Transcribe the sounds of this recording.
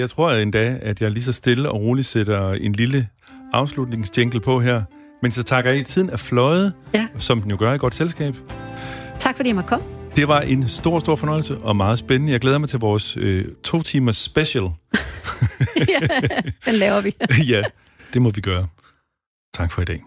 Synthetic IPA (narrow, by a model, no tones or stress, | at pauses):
jɑ̈ɪt͡sʰʁo̝ɐ̰end̥ɛæd̥jɑ̈ɪɐlis̬ɒ̽sd̥e̝ləɒ̽ʁoːli̥seɾ̥ɐe̝nlilə | ɑ̈ʊslud̥ne̝ŋsd̥eŋɡ̥l̩pʰɒ̽ɦæɐ̰ | mensɒ̽t͡sʰɑ̈ɡ̥ɐje̥t͡sʰið̞̰ˠn̩æflɒ̽ɪð̞̩ˠsɒ̽md̥enjo̝ɡ̥ɶɐid̚ɡ̥ɒ̽d̥selsɡ̥ɛ̰ːb̥ | t͡sʰɑ̈ɡ̥fɒdḭjmɒkʰɒm̰d̥e̝ʋɑ̈ʔe̝nsd̥o̝ɐ̰sd̥o̝ɐ̰fɒ̽nɒ̽ɪlsəʔɒ̽mɑ̈ːð̞̩ˠsb̥enənəjɑɪɡleːðˠɐmɑ̈ɪt͡sʰe̝lʋɒːsøt͡sʰo̝̰ːt͡sʰiːmɐsb̥eɕl | enlɛːʊɐʋijæ | d̥e̝mɒ̽ʋiɡ̥ɶːɐ | t͡sʰɑ̈ɡ̥fɒ̽id̥ɛ̰ː